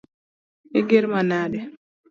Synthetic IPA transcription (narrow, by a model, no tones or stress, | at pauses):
ɪɡɪɾmanadɛ